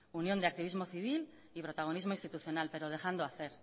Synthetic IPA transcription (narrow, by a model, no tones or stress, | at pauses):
unjo̞nd̪eak̚t̪iβ̞izmo̞θiβ̞il | ipɾo̞t̪aɣ̞o̞nizmo̞inst̪it̪uθjo̞nalpe̞ɾo̞ðe̞xand̪oaθe̞ɾ